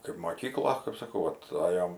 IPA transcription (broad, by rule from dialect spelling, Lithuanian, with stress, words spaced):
kɐɪp moːˈkʲiːklˠoː kɐɪp sɐˈkɐʊ ˈʋɐt ˈɑːjoːm